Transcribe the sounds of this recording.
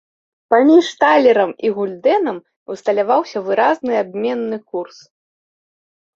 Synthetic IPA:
pamʲiʂt̪alʲɛɾɐmiɣulʲd̪ɛnɐm | ust̪ɐlʲavawsʲɐvɨɾaznɨabʲmʲɛnːɨkurs

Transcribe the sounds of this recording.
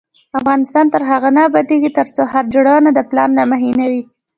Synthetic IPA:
afɣɑnɪst̪ɑnt̪əɾɦaɣanabad̪eɡit̪əɾt͡sohaɾd͡ʒəɽanad̪əplɑnːamaɦinawi

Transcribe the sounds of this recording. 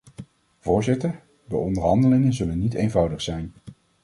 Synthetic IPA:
v̥ʊːɹzɪtəɹ | dəɔndəɹɦɑndəlɪŋənzɵlənːitejnvʌwdəχsɛjn

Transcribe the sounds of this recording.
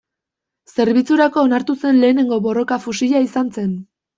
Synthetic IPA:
se̞ɾβit͡suɾako̞ːnaɾt̪use̞nle̞ːne̞ŋɡo̞βo̞ro̞kafusiʎaisanse̞n

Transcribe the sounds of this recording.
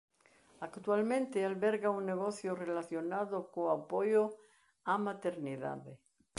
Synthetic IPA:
akt̪walmẽnt̪ealβɛɾɣauŋneɣoθjorelaθjonaðokoapojo | amat̪eɾniða̰ðe

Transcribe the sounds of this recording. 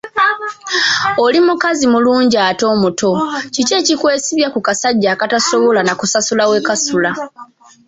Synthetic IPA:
olimukazimuluːɲɟaːto̞ːmuto̞cice̞ːcikwe̞ːsiβjakukasaɟːaːkataso̞βo̞lanakusasulawe̞kasula

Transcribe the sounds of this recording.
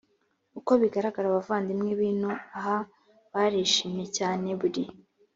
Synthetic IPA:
uko̞βiɡaɾaɡaɾaβavaːndimŋiβiːnuaɦa | βaɾeːʃimje̞caːneβuɾi

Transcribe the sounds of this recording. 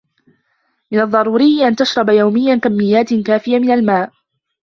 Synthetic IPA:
mɪnɑðˤːɑɾˤuːɾɪjːɪʔant̪aʃɾˤɑbajawmɪjːankamːɪjːaːt̪ɪkaːfɪjamɪnalmaːʔ

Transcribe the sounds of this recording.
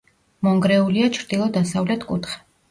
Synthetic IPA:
mɔŋɡɾɛuliat͡ʃʰɾd̪̥ilˠɔd̪asavlɛt̪ʰkʼṵt̪ʰχɛ̥

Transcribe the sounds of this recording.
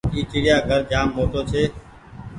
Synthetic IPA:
iːt͡ʃiːɾɪjaːɡʱəɾd͡ʒaːmːoːʈoːt͡ʃʰeː

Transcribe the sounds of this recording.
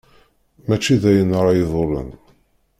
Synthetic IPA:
mæt͡ʃːiðæjənɾˤɑjeðˤorə̰n

